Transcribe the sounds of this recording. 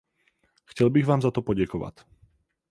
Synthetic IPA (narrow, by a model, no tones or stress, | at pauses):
xcɛlbiɣʋaːmzat̪ɔpɔɟakɔʋa̰c